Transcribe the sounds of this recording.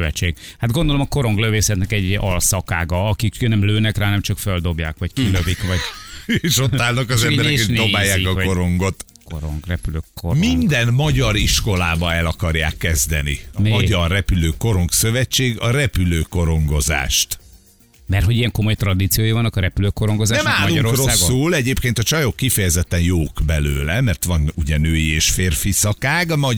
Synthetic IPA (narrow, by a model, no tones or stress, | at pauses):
øvɛt͡ʃːeːɡhad̪̚ɡo̞nd̪olomɒko̞ɾoŋɡløveːsɛt̪nɛkɛɟɒlsɒkaːɡɒɒkiknɛmløːnɛkraːnɛmt͡ʃɒkføld̪o̞bjaːkʋɒckiløvikʋɒɟeeʃoaːlnɒkɒzɛmbbɛnɾɛeːkindobaːjaːkɒko̞ɾo̞ŋɡo̞t̪ | koɾo̰ŋɡrɛpyløːkomind̪ɛnmɒɟɒɾiʃko̞laːbɒɛlɒkɒrja̰ːkːɛzd̪ɛnḭɒɟɒrːɛpyløːko̞ɾo̞ŋksø̞vɛt͡ʃːeːɡɒɾɛpyløːko̞ɾo̞ŋɡo̞za̰ːʃt̪ | mɛrt̪ɦoɟijɛŋko̞mo̞jt̪rɒd̪it̪sijojivɒnːɒkɒɾɛpyløːkoɾoŋɡozaːnɛmaːlːuɾokroaːsɡːulɛɟeːpkeːnt̪ɒt͡ʃɒjokːifɛjɛzɛt̪ːɛnjoːɡbɛløːlɛmɛrt̪ʋɒnuɟɛnøːjieːʃfeːrfisɒkaːɡmɒ